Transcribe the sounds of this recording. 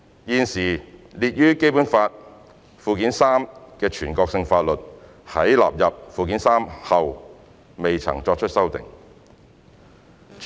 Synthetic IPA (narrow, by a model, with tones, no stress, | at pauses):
jiː˧nsiː˨˩liː˨t̚jyː˥ke˥jpuː˨˥nfaː˧t̚ | fuː˨kiː˨˥nsaː˥mkɛː˧t͡ʃʰyː˨˩nkɔː˧k̚sɪ˧ŋfaː˧t̚lɵ˨t̚ | hɐ˨˥jla̰ː˨p̚jɐ˨p̚fuː˨ki˨˥nsaː˥mhɐ˨w | me˨jt͡sʰɐ̰˨˩ŋt͡sɔː˧k̚t͡ʃʰɵ˥t̚sɐ˥wt̪ɪ̰˨ŋ